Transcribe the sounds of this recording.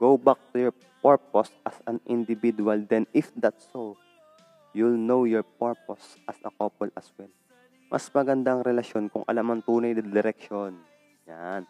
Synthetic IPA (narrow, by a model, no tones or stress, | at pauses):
ɡ̥owbak̚t̪ʊjɔɹ | pɛɹposɐsɐnʔɪnd̪ɪbid̪ʊɐld̪ɛnɪfd̪at̪so | julnowjɔɹpɛɹp̚osʔɐsɐ̰koːpɔlɐswɛl | mʔɐ̰smɐɡɐnd̪aɐŋɾɛlɐʃjo̞nkʊŋʔɐ̰lamɐnt̪uːnɐjd̪ɐd̪ɛɾɛkʃon | jan